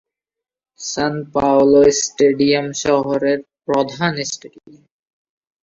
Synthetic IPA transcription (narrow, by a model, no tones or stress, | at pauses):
sanpawloesʈeɖiamʃɔɦoɾeɾpɾod̪ʱansʈeɖiiam